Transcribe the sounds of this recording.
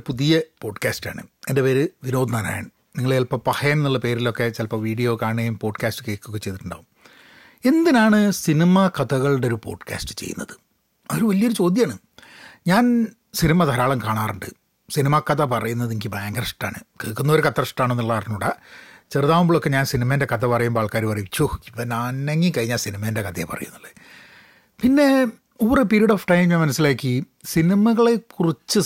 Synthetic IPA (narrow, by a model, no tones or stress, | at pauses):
puðijɐpo̞ːɖkaːsta̰ːɳɨ̰e̞ndepe̞ːɾɨʋino̞ːd̪ʱnaːna̰ːja̰ɳɨ | niŋːɐɭejɐlpɐpɐhɐjemnːuɭːɐpe̞ːɾilo̞kːe̞t͡ɕelpːɐʋiːɽijo̞ːkaːɳejumpo̞ːɖkaːsʈɨ̥ke̞ːkːokːet͡ɕe̞jðɨʈːuɳɖa̰ːʋum | e̞nd̪inaːɳɨsinimɐkɐt̪ɐɣɐɭɽeoɾupo̞̰ːɖkʰʲa̰ːsʈɨ̥t͡ɕḛjːṵnːɐ̰ðɨ | ɐoɾuʋɐlijɐoɾut͡ɕo̞ːd̪jɐaːɳɨ | ɲaːn | sinimɐd̪ʱɐɾaːɭɐmkaːɳaːrɨɳɖɨ̰ | sinimakːɐðɐpɐrɐjunːɐðiŋɡibaːŋɡɐrʂʈaːɳɨkeɭkːunːɐoɾukɐt̪ːɐrʂʈaːɳonːiɭːaɐrɐnːuɽa̰t͡ɕerɨðaːmumboɭokːeɲaːnsinimɐinde̞kɐðɐpɐrɐjumpaːɭkaːɾipɐrɐjumt͡ɕʰuipːɐnaːneŋːikɐɻiɲːaːnsinimɐinde̞kɐt̪ɐḛpɐ̰rɐ̰junːɐlːe | pinːe̞ | uʋɐrepeɾiɐɽoːfʈɐjmɲaːnmɐnɐsːilaːkʲːɨ | sinimɐɣɐɭe̞kːurit͡ɕːɨ